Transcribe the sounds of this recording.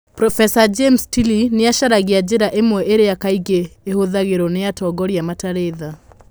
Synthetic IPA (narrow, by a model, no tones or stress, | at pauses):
pɾɔfɛsad͡ʒemstilineaʃaɾaɣead͡ʒeɾaʔemwɛʔeɾejakaiɣeːhoðaɣeɾɔneatɔːɡɔɾiamataɾeða